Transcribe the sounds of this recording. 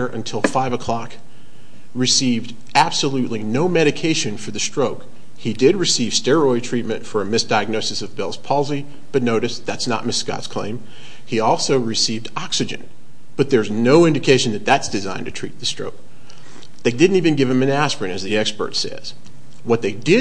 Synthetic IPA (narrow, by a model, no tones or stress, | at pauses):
ə˞ʔɨ̰̃ntʰɪlˠfaɪvəkʰl̥ɑk | ɹɨsivd | æb̥səlʉʔlinoʊmɛɾɨkʰeɪʃɨ̃nfə˞ðɨstɹ̥oʊk | hidɪd̚ɹɨsiv̥stɛɹɔɪtʰɹ̥it̚mɨ̃ntfə˞ɨmɪsd̥aɪɨɡ̚noʊsɨsʌvbɪlˠz̥pʰɑlˠzi | b̥ʌtⁿnoʊɾɨsðætsnə̰t̚mɪsskɑ̰tskʰl̥ḛ̃ɪ̃m | iɔlˠsoʊɹɨsivdɑksɨd͡ʒɨ̰̃n | b̥ʌt̪̚ðə˞znoʊɪ̃ndɨkʰeɪʃɨ̃n̩ðɨt̪̚ðætsd̥ɨzã̰ɪ̃ntʰɨtʰɹ̥ḭt̪̚ðɨstɹ̥o̰ʊk̚ | ðeɪdɪdⁿn̩tivɨ̃nɡɪv̥ɨ̃mɨ̃næspɹɨ̃ŋɨzðiɛkspə̰˞tsɛ̰z̥ | wʌt̪̚ðeɪdɪ